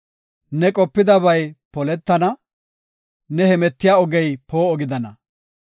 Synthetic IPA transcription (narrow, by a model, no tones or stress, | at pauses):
nɛkʼɔpːɪd̪ɐβɐjpɔlɛt̪ːɐnɐ | nɛhɛmɛt̪ːɪjaːɔɡɛjpo̞ːɔɡɪd̪ɐnɐ